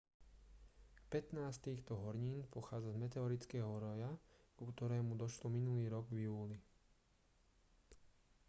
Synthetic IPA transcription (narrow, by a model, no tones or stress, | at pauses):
pɛt̪naːst̪iːxt̪ɔɦɔɾɲiːnpɔxaːd͡zazmɛt̪ɛɔɾit͡skɛːɦɔɾɔjakukt̪ɔɾɛːmud̪ɔʃlɔminuliːɾɔɡvjuːli